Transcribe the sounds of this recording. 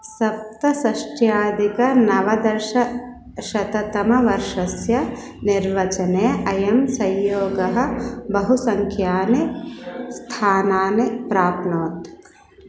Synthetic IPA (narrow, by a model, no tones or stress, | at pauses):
sɐp̚t̪ɐsɐʃʈʰjaːd̪ikɐnɐʋɐd̪ɐɾʃɐ | ʃɐt̪ɐt̪ɐmɐʋɐɾʃɐsjɐ | niɾʋɐt͡ʃɐneːɐjɐmsɐ̃jjoːɡɐɦɐ̆bɐɦusɐŋkʰjaːnest̪ʰaːnaːnepɾaːpnoːt̪